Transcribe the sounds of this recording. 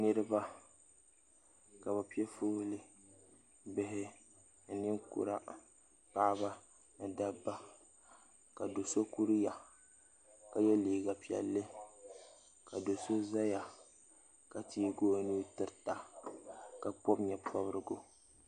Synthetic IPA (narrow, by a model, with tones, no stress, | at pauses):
nɨ˦ɾɨ˦ba˦ | ka˨ba˨pi˦ɛ˦foː˦lɨ˦ | bɪ˦ɦɪ˦ | n̩˨nɪ˦ŋkṵ˨ɾa˦ | pa˦ba˦ | n̩˦˨da˦bːa˦ | ka˨do˨so˦ku˦ɾi˦ja˨ | ka˨jɛ˦liː˨ɡa˨pi˨ɛ̰˨lːɨ˦ | ka˨do˨so˦za˦ja˨ | ka˨tiː˦˨ɡoː˦nu˦tɨ˦ɾta˨ | ka˨k͡pɔ˦bɲɛ˨pɔ˦βɾɨ˨ɡʊ˦